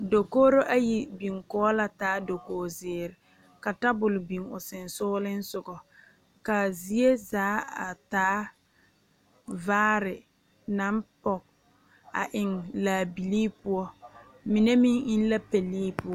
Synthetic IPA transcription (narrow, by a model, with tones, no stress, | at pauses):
do˨koː˦ɾo˦ʔa˦ji˨bi˨ŋkɔː˦la˨taː˨˦do˨koː˨zɪː˨ɾɪ˨ | ka˨ta˦bʊ˨lʊ˨bi˨ŋʊ˨sɪ˨nsʊː˦lɪ˦n̩˦sʊ˨ɡɔ˨ | ka˨zi˦e˦zaː˨˦a̰˨taː˨˦ | vaː˦ɾɪ˨ | na˨˦mpɔ˨k̚ | a̰˨ʔɪ˨ŋlaː˨bi˨liː˦pʊ˦ɔ˦ | mi˨ne˦mi˦ŋɪ˦n˦la˦pɛ˨liː˦pʊ˦ɔ˦